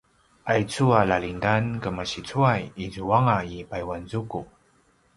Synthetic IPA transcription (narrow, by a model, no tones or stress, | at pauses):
ʔajt͡sualalindankəmaɕit͡suajizuaŋaipajwanzuku